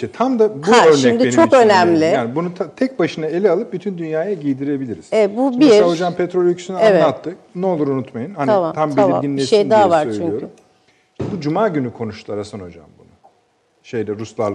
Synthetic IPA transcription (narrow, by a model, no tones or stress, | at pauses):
ʃɛt̪ʰamd̪abuaøɾnʃiɛmd̪ient͡ʃʰo̞kønæmlʲɪaːnibunut̪ʰat̪ʰɛc̚baʃɯnae̞lʲialˠɯp̚byt̪ʰynd̪ynjaːjaɟild̪iɾe̞bilʲiɾiz̥eɛbubiaod͡ʒampʰet̪ɾolʲykʰy̥syneavɛlˠat̪ʰːɯknɛo̞lˠuɾunut̪majɯnhanamat̪ʰambiamiaɟinlʲeʃejd̪aɦavaɾt͡ʃjʰlʲyɲyjoɾy | ʃɛbud͡ʒumaːɟynykʰo̞nuʃlˠaɾasanod͡ʒa̰mbunu | ʃejd̪ɛɾuslˠalˠ